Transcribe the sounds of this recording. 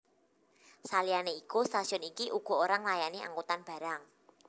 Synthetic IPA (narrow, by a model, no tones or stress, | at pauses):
salijaneikust̪asiɔnikiʔuɡ̥ɔ̤oɾaŋlajaniʔa̰ŋkut̪anb̥ä̤ɾaŋ